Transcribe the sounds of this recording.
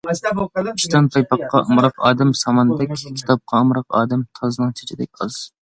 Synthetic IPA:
i̥ʃt̪ɑnp̪ʰɑjpɑqːɑʔɨmɾɑqɑːd̪ɛmsɑmɑnd̪ɛkʲkʲʰi̥t̪ʰɑp̚qʰɑɨmɾɑqɑ̰ːd̪ɛmt̪ʰɑzɨnɨŋt͡ʃʰe̥t͡ʃʰɪd̪ɛk̚ʲqʰɑlˠs

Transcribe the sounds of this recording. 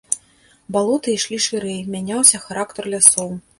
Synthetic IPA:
balˠɔt̪ɨiʂlʲiʂɨɾɛjmʲanʲawsʲɐxaɾakt̪ɐrlʲasɔw

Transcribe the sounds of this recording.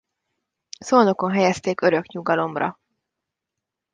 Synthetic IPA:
soːno̞ko̞nɦɛjɛst̪eːkøɾø̞kɲuɡɒlo̞mrɒ̰

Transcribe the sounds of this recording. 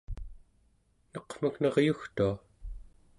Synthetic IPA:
nʌqm̥aknʌʁjuxt̪ua

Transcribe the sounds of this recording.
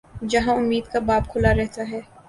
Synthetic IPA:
d͡ʒɐɦãʊmːiːd̪kabaːpkʰʊlaɾɛɦt̪aɦɛː

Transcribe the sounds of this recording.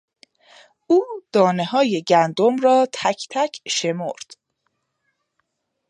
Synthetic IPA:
uːd̪̥ɒːne̞ɦɒːje̞ɟænd̪omɾɒːt̪ʰæcʰt̪ʰæcʰʃe̞moɾd̪̥

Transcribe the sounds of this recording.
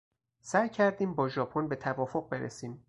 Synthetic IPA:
sæjcʰæɾd̪iːmbɒːʒɒːpʰonbe̞t̪ʰævɒːfo̞ɣ̚be̞ɾʔḛsiːm

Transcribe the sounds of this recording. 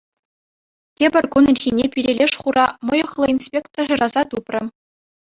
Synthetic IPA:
tʲebʲɘ̆rʲkunɘ̆lʲɣʲinʲepʲiɾʲelʲeʂʃχuɾʔɑmɤ̆jɤ̆χlˠɤ̆insʲpʲekt̪̆ʐɤ̆rʔɑzɑt̪uprʲɘ̆

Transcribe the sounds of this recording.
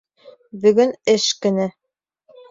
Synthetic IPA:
bɵ̆ɡɵnɘʃkɘ̆nɘ

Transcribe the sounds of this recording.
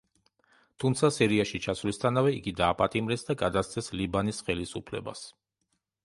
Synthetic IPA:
t̪ʰumt̪sʰasiɾiaʃit͡ʃʰasvlist̪ʰanavɛiɡid̪aːpʼat̪ʼimɾɛsd̪aɡad̪ast̪sʰɛslibanisχɛlisupʰlɛ̰ba̰s

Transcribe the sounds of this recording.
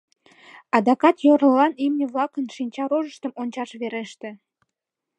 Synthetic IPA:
ɑd̪ɑkɑt̪joɾlɑnimnʲĕβlɑkənʃinʲt͡ɕɑɾoʒəʃt̪əmonʲt͡ɕɑʃβeɾeʃt̪ĕ

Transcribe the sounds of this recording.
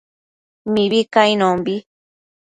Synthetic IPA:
mĩβikainõmbi

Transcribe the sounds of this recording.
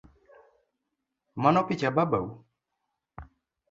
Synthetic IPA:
manɔpit͡ʃababawu

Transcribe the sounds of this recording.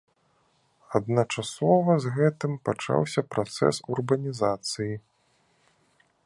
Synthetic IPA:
ɐd̪̚nɐt͡ʂasɔvɐzɣɛt̪ɨmpat͡ʂa̰wsʲɐpɾat̪sɛ̰surbɐnʲizat̪sɨji

